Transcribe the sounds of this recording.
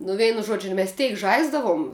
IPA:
nʊ ˈʋʲɛɪnʊ ˈʒuɔd͡ʒʲʊ mʲɛs ˈtʲɛɪk ˈʒɐɪzdɐʋʊm

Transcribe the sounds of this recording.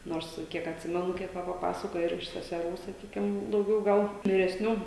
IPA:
ˈnoːrs ˈkʲiɛk ɐtʲˈsʲɪmʲɛnʊ ˈkʲiɛk ˈʋɐ pɐˈpɑːsɐkoːjɛ ɪr ɪʃ sʲɛsʲɛˈruː sɐˈkʲiːkʲɪm dɐʊˈɡʲɛʊ ˈɡɐlˠ ʋʲɪrʲɛsʲˈnʲuː

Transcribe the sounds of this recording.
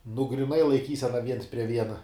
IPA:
nʊ ɡrʲiːˈnɐɪ lˠɐɪˈkʲiːsʲɛnɐ ʋʲiɛns pʲrʲiɛ ˈʋʲiɛnɐ

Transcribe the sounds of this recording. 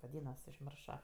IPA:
ʋɐˈdʲiːnɐs ʊʒʲˈmʲɪrʃoː

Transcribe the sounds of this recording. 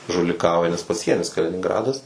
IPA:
ʒʊlʲɪˈkɐʊjɛ nʲɛs pɐˈsʲiɛnʲɪs kɐlʲɪnʲɪŋˈɡrɑːdɐs

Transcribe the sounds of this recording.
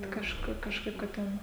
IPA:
kɐʃˈkʊ kɐʃˈkɐɪp kɐt ˈtʲɛn

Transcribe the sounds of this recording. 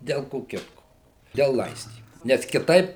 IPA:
dʲɛlˠ ˈkoː ˈkʲɪtkoː dʲɛlˠ ˈlˠɐɪsʲtʲiːmʊ nʲɛs kʲɪˈtɐɪp

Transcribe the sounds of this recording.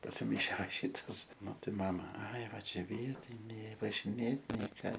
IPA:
pɐsʲɪˈmɐɪʃʲeː ʋɐ ˈʃʲiːtɐs mɐˈtɐɪ ˈmɑːmɐ ɐɪ ˈʋɐ ˈt͡ʃʲɛ ˈʋʲiɛtʲɪnʲeː ʋɐʒʲɪˈnʲeːt nʲɛɪ ˈkɑː

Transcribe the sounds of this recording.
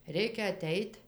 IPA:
ˈrʲɛɪkʲɛ ɐˈtʲɛɪtʲ

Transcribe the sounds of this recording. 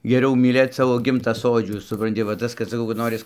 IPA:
ɡʲɛˈrʲɛʊ mʲiːˈlʲeːt ˈsɑːʋoː ˈɡʲɪmtɐ ˈsoːd͡ʒʲuː sʊprɐnʲˈtʲɪ ʋɐ ˈtɐs kɐt sɐˈkɐʊ kɐt ˈnoːrʲɪs

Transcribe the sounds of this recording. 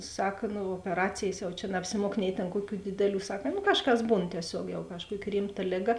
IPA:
ˈsɐk ˈnʊ oːpʲɛˈrɑːt͡sʲeːjs jɛʊ t͡ʃʲɛ nɐɐpʲsʲɪˈmuɔk nʲɛɪ tʲeːn ˈkuɔˌkʲuː ˈdʲɪdʲɛˌlʲuː ˈsɐk nʊ ˈkɑːʃˌkɐs ˈbuːn tʲiɛˈsʲoːk jɛʊ kɐʃˈkuɔkʲɪ ˈrʲɪmˌtɐ ˈlʲeːˌɡɐ

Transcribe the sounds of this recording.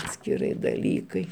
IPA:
ɐtʲsʲkʲɪˈrɐɪ dɐˈlʲiːkɐɪ

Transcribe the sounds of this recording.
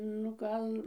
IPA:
nʊ ˈkɐn

